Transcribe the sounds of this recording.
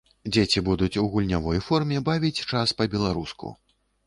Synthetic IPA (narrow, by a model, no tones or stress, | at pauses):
d͡zʲet͡sʲibud̪ut͡sʲuɣulʲnʲavɔjfɔrmʲɛbavʲit͡sʲt͡ʂaspɐbʲɛlˠaɾuskṵ